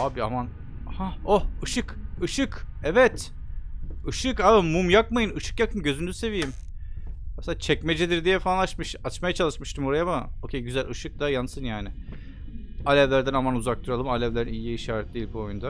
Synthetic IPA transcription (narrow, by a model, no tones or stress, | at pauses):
aːbiaman | haohɯʃɯkɯʃɯkɛvɛt̪ | ɯʃɯkaːbimːumjak̚majɯnɯʃɯ̥kjakʰɯnɟø̞zynzyse̞vijim | mɛseaːt͡ʃʰɛcmed͡ʒid̪iɾd̪ijɛfaanlˠaʃmɯʃat͡ʃmajat͡ʃʰalˠɯʃmɯʃt̪ʰɯmoɾajamɯocʰʲejɟyzælʲɯʃɯk̚d̪̥ajansɯnjaːnɪ | alʲɛvlʲæɾd̪ænamanuzak̚t̪ʰuɾalˠɯmalʲɛvlʲeɾinijiiʃaːɾɛt̪̚d̪ʲeijilʲbuojund̪a